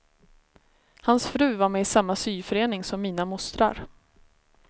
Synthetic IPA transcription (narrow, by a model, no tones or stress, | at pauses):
hansfɾʉ̟ːvaɾmɛsamːasyːfœɾeːnɪŋsɔmːiːnamʊst̪ɾa̰ɾ